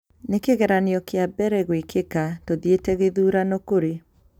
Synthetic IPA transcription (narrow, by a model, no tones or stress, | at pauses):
nekeɣɛɾaneɔkeabɛɾɛɣwekekatoðietɛɣeðuːɾanokoɾe